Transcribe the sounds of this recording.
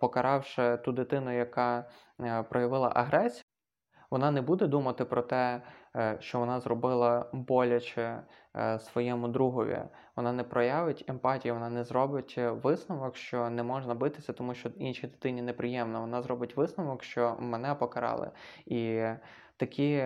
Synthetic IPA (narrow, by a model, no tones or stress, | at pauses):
pɔkɐɾɑwʃɛt̪ud̪ɪt̪ɪnʊjɐkɑ | pɾɔjɐʋɪlˠɐ̰ʔɐɦɾɛsʲ | ʋɔnɑnɛbud̪ɛd̪umɐt̪ɪpɾɔt̪ɛ | ʃt͡ʃɔʋɔnɑzrɔbɪlˠɐbɔlʲɐt͡ʃɛ | sʋɔjɛmʊd̪ɾuɦɔʋʲḭ | ʋɔnɑnɛpɾɔjɑʋɪtʲempɑtʲijiʋɔnɑnɛzrɔbɪtʲʋɪsnɔʋɔkʃt͡ʃɔnɛmɔʒnɐbɪt̪ɪsʲɐt̪ɔmuʃt͡ʃɔinʃʲid̪ɪt̪ɪnʲinɛpɾɪjɛmnɔʋɔnɑzɾɔbɪtʲʋɪsnɔʋɔkʃt͡ʃɔmɛnɛpɔkɐɾɑ̰lˠɪ̰i | t̪ɐkʲʰi